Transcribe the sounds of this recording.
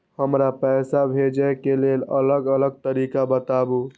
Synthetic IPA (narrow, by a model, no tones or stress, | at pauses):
həmɾapɛːsabʱed͡ʒəkelelələɡələɡ̚t̪əɾikabət̪abu